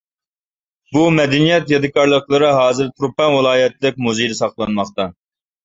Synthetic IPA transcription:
bumɛd̪ɛnijɛt̪jɑd̪ɨkʰɑɾlˠəqlˠəɾɨɦɑːzɨɾt̪ʰɾupɛnwɨlˠɑːjɛt̪ʰlɪk̚ʲmuzejd̪ɛsɑχlˠɑnmɑχt̪ɑ

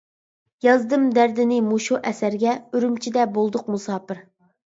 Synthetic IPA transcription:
jɑzd̪ɨmd̪æɾd̪ɪnɪmuʃuʔɛsæɾɡʲɛyɾymt͡ʃʰid̪ɛbolˠd̪ʊqmusɑːpɨɾ

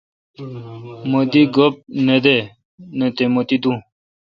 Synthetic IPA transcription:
mod̪iɡop̚ned̪e | net̪emot̪id̪ũ

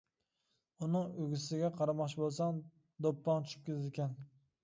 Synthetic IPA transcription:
ʊnɪŋøɡʲɪsɪɡʲaqʰɑɾɑmɑχt͡ʃʰɪbolˠsɑŋ | d̪opːɑŋt͡ʃʰy̥ʃɪ̥p̚kʲʰɪzɪlkʲæn

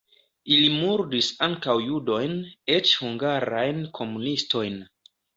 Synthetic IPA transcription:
ilimuɾdisaŋkawjudo̞jnet͡ʃhuŋɡaɾajnkʰo̞munisto̞jn

